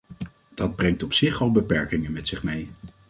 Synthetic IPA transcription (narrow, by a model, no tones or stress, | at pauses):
d̥ɑd̚brɛŋtɔpsɪχɑlˠbəpɛɹkɪŋənmɛtsɪχmej